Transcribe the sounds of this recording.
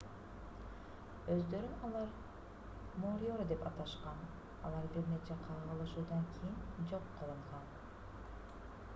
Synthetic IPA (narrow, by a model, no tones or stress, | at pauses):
øzd̪ø̞ɾynɑlˠɑɾ | moːɾjoɾd̪e̞pɑt̪ɑʃqɑn | ɑ̰lˠɑɾbiɾne̞t͡ʃeqʰɑʁɑlˠɯʃuːd̪ɑŋkʲʰijind͡ʒo̞qːɯlˠɯɴʁɑn